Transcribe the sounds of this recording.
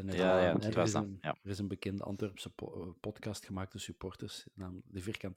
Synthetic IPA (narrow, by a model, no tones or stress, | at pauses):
ɛnɛaɛaɪsəərɪsənbəkɛndə̰ʔɑ̰ntʋɛrpspɔtkɑstxəmaːk̚təsypɔrtərsnaːmlədəvɪrkɑnt